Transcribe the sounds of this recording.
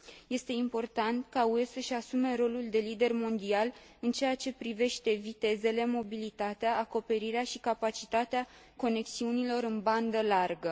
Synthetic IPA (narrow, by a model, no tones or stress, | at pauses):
je̞st̪e̞impo̞rt̪ant̪kauesəʃasume̞ro̞luld̪e̞lid̪e̞rmo̞nd̪ial | ɨnt͡ʃe̞jat͡ʃe̞pɾive̞ʃt̪e̞vit̪e̞ze̞le̞mo̞bilit̪at̪eaːko̞pe̞ɾiɾeaʃikapat͡ʃit̪at̪ea | ko̞ne̞ksiunilo̞ɾɨnband̪əlarɡə